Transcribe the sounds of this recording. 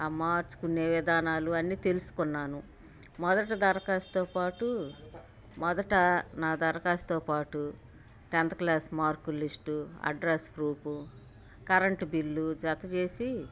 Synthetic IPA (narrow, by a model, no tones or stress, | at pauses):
aːmaːɾt͡ʃu̥kuneːʋid̪aːnaːluɐnːiːt̪e̞lusu̥kɔnːaːnu | mɔd̪ɐʈɐd̪ɐɾɐkaːst̪o̞ːpaːʈu | mɔd̪ɐʈɐnaːd̪ɐɾɐkaːst̪oːpaːʈu | ʈɛnt̪ɐklaːsmaːɾkulːisʈuɐ̰ɖɾespɾuːpu | kɐɾɐɳʈbilːud͡ʒɐt̪ɐt͡ʃe̞ːsi